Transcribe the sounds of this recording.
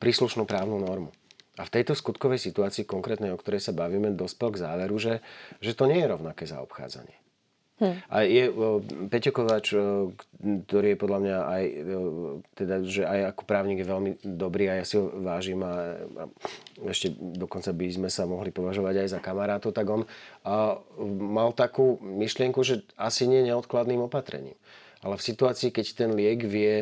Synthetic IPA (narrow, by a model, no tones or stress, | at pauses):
pɾiːsluʃnupɾaːʊnunɔɾmuaft̪ɛjt̪ɔskut̪kɔʋɛjsit̪uaːt͡siːkɔŋkɾɛːt̪nɛjɔkt̪ɔɾɛjsabaʋiːmɛd̪ɔspɛlɡzaːʋɛɾuʒɛʒɛt̪ɔɲɪɛjɛɾɔʊnakɛːza̰ɔ̰pxa̰ːd͡za̰ɲɪɛ | ʔajɛpɛcɔkɔʋaːt͡ʃkt̪ɔɾiːjɛpɔd̪ʎamɲaaj | t̪ɛd̪aʒɛajakɔ̥pɾaːʊɲiːɡjɛʋɛlmid̪ɔbɾiːajasiɦɔʋaːʒiːma̰ | ɛʃcɛd̪ɔkɔnt͡sabizmɛsamɔɦlipɔʋaʒɔʋaɟajzakamaɾaːt̪ɔʊt̪aɡɔn | malt̪akuːmiʃlɪɛŋkuʒɛasiɲɪɛɲɛɔt̪klad̪niːmɔpat̪ɾɛ̰ɲḭːm | ʔalɛfsit̪uaːt͡siːkɛct̪ɛnlɪɛɡʋɪɛ